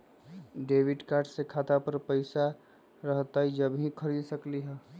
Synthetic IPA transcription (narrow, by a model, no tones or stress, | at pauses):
ɖeːʋɪɖkaːɾɖsekʰaːt̪apəɾpəɪsa | ɾəɦt̪aɦid͡ʒəbʱɦĩkʰəɾid̪səkliɦɛː